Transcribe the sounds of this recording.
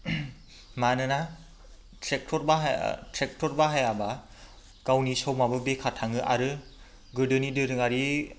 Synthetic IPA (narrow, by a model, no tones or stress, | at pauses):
manɯna | tʰɾek̚tʰɔɾbaɦtʰɾek̚tʰɔɾbaɦajaba | kawnisɔwmabɯbekʰatʰaŋɯʔa̰ɾɯ | ɡɯdɯnidɯɾɯŋaɾi